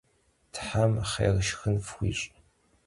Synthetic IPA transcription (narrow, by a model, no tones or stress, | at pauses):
tʰħamχḛːrʃxɨnfxʷḭːɕʼ